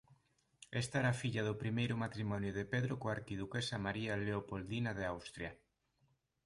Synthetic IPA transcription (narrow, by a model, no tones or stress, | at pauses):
est̪aeɾafiʎaðʊpɾimejɾʊmat̪ɾimɔnjʊðepeðɾokoaɾkiðukesamaɾialeopold̪inaðeawst̪ɾja